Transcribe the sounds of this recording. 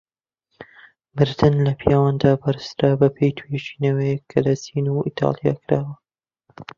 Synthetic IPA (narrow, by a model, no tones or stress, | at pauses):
mɨɾd̪ɨnlɐpʰijaːwand̪aːbɐɾɨst̪ɾabɐpʰejt̪ʰueʃi̥ːnɐwɛjɛkʰːɐlɐsinuḭːt̪ʰɑ̰lˠija̰ːkʰɨɾaːwɐ